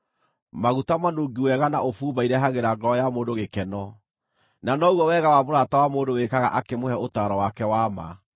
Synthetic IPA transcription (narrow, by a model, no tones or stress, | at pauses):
maɣutamanoŋɡiwɛɣanaʔofuːbaiɾɛɦaɣeɾaɡɔjamoːndoɣekɛnɔ | nanɔuɔwɛɣawamoɾaːtawamoːndowekaɣa̰ʔakemohɛotaːɾɔwakɛwama̰